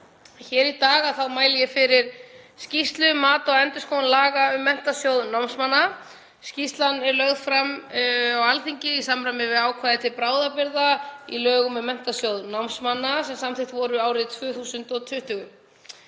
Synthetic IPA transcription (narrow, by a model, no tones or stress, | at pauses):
çɛːɾit̪aːɣaðθawmaːjlɪjɛfɪɾɪɾ̥scist̪lʏmaːt̪ɔɛnt̪ʏskʰownlaːɣaʏmːɛn̥t̪asjowðnawmsmanːa | scist̪lanɛɾlœɣðfɾamawalθiɲcɪisamɾajmɪvɪðaːwkʰvaːðɪt̪ʰɪlpɾaːwðapɪɾðaḭlœːɣʏmʏmːɛn̥t̪asjowðnawmsmanːasɛmsamθɪht̪vɔɾʏaːwɾɪðt̪ʰvʏːθusʏnt̪ɔt̪ʰʏht̪ʏɣʏ